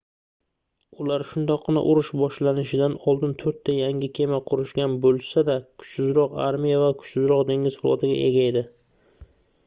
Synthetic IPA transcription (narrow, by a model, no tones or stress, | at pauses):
ʊlaɾʃʊnd̪ɒqːɨna̰ʔʊɾʊʃbɒʃlanɪʃɪd̪anɒlˠd̪ɪnt̪ʰɵɾt̪ʰːajaŋɡʲɪkʲʰe̞maqʰʊɾɪʃɡʲanbolˠsad̪akʰʊ̥t͡ʃsɪzɾɒqaɾmijavakʰʊ̥t͡ʃsɪzɾɒqd̪e̞ŋɡʲɪzfʊlˠɒ̰t̪ʰɪɡʲa̰ʔe̞̰ɡʲae̞d̪ɪ